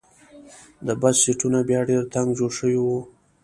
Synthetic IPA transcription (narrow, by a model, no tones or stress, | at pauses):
d̪əbazsiʈunabjɑɖeɾt̪aŋɡd͡ʒoɽʂəwiwu